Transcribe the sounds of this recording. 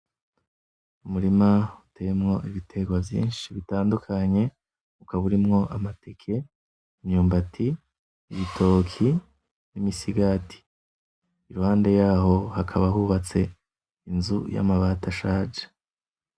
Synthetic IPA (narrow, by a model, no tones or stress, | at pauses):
umuɾimaute̞mŋo̞ʔiβitʰe̞ɡwavjḭːnʃiβitaːndukʰaɲe̞ | ukaβuɾimŋo̞ʔamatekʰe̞ | imɲuːmbatʰi | βitʰo̞kʰi | nimisiɡatʰi̥ | iɾuhaːnde̞jaːɦo̞hakʰaβaɦuβat͡se̞ | inzṵja̰maβataʃaːd͡ʒe̥